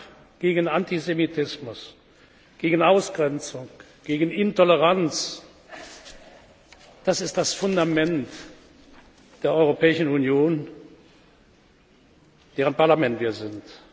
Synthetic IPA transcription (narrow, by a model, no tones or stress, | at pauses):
ɡ̥eːɡənantizemitʰɪsmʊs | ɡ̥eːɡənaʊsɡ̥ʁɛnt͡sʊŋ | ɡ̥eːɡən̩ɪntɔləʁant͡s | d̥asɪstd̥asfʊndamɛnt | d̥eːɐʔɔʏʁopɛːɪʃn̩unjoːn | d̥ɛːʁənpaɐlamɛntv̥iːɐzɪnt